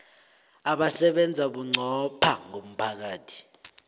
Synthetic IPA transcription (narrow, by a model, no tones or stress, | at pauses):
aɓasɛɓɛnd͡zʱaɓuŋ͡ǀʱɔpʰaŋom̩pʰak̬aːtʰi̥